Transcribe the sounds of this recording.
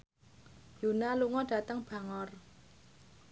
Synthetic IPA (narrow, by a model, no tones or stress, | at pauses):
junaluŋɔɖ̥a̤t̪əŋb̥a̤ŋɔr